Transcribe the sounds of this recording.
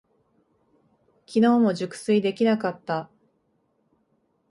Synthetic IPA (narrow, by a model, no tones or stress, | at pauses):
kʲino̞ːmo̞ʑɨkɯ̥sɨid̪e̞kʲinakat̪ːa